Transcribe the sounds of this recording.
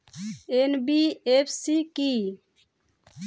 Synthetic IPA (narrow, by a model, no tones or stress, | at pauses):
enbiepʰsiki